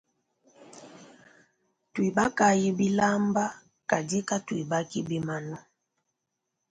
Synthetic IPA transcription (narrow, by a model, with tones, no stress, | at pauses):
twi˨ba˦ka˨ji˦bi˦la˦mba˦ | ka˨di˦ka˦twi˨ba˦ki˦bi˦ma˨nɔ˦